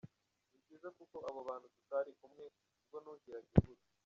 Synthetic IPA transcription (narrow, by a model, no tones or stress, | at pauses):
ibɟiːzekuko̞aβoβaːnhutikaɾikumŋe | ubɡonuːɲkiɾaɟiɡuɾa